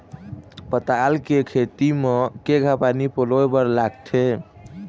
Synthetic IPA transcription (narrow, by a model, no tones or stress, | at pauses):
pət̪alkekʰet̪imekeɡʱapanipoloebəɾlaɡt̪ʰe